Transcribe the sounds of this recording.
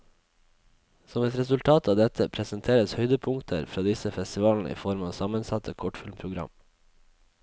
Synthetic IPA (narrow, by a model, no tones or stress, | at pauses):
sɔmɛt̪ɾɛsʉlt̪ʰɑːt̪ʰɑːʋd̪ɛt̪ʰəpʰɾɛsənt̪ʰeːɾəshœʏd̪əpʰʊŋt̪ʰə̰ɾfɾɑːd̪ɪsəfɛst̪ɪʋɑːln̩ə̰ʔḭːfɔɾmɑːsɑmənsɑt̪ʰəkʰɔʈfɪlmpʰɾʊɡɾɑ̰m